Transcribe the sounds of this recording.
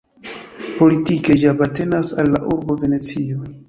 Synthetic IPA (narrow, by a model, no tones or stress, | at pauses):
po̞litike̞d͡ʒapate̞nasalːaʔuɾbo̞ve̞ne̞t͡sio